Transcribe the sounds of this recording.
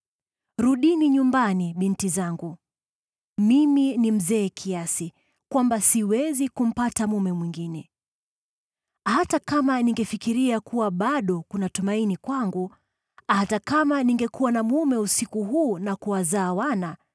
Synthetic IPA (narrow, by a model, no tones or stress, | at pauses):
ɾuɗiniɲumbaniɓintizaŋɡu | miminim̩zɛːkʰiasi | kwambasiwɛzikum̩patamumɛmwiŋɡinɛ | hatakamaniŋɡɛfikiɾiakuwaɓaɗɔkunatumainikwaŋɡu | aatakamaniŋɡɛkuwanamumɛusikuɦuːnakuwazaːwana